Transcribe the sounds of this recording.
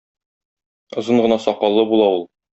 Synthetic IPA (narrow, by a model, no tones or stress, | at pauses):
ŏzɤɴɢɤ̆nɑsɒqɑlˠːɤbulˠɑulˠ